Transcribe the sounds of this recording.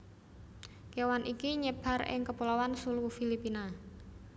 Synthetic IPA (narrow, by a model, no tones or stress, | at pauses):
kewanʔikiɲəb̥a̤rɪ̰ŋkəpulawansulufilipina